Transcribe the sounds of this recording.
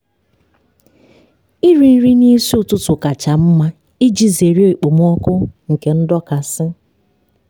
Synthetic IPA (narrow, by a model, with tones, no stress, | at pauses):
i˦ɾi˨n̩˦ɾi˦ni˦si˦ʊ˨tʊ˦tʊ˨ka˨t͡ʃa˨m̩˦ma˦ | i˦d͡ʒi˦ze˨ɾi˦o˦i˨k͡po˨m˦ɔ˦kʊ˦ŋ̩˨ke˨n̩˦dɔ˦ka˨sɪ˦